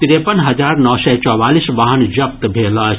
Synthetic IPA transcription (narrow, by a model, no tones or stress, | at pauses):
t̪iɾepənɦɐzaːɾnɔːsɛːt͡ʃɔːʋaːlisʋaːɦənd͡ʒɐpt̪bʱeːla